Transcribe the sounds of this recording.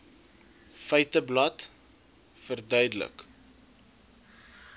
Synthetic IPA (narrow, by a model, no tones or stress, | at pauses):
fəjtəblɐt | fərdœɥdələ̰k